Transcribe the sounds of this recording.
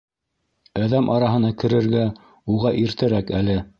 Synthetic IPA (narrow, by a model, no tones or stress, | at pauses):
æðæmʔɑɾɑɦɤ̆nɑkɘ̆ɾɘ̆ɾɡæ | uʁɑʔiɾt̪ɘ̆ɾækælɘ